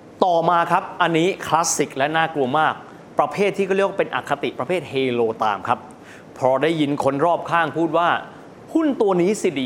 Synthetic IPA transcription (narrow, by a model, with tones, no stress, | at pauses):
t̪ɔː˨˩maː˧kʰa˦˥p̚ʔa˧nːiː˦˥kʰla˦˥si˨˩k̚lɛ˦˥naː˥˩klu˧ɐmaː˥˩k̚ | pɾa˧pʰeː˥˩t̪ʰːi˥˩kɔ˥˩ɾwa˥˧pe˧nʔa̰˨˩kʰːa˧t̪i˨ʔpɾa˧pʰeː˥˩t̪̚heː˧loː˧t̪a̰ː˧mkʰa˦˥p̚ | pʰɾɔː˧daː˥˩jːi˨˧˥nkʰo˧nɾɔː˥˩p̚kʰaː˥˩ŋpʰuː˥˩t̪̚waː˥˩ | hu˥˩nt̪u˧ɐniː˦˥si˨˧˩diː˧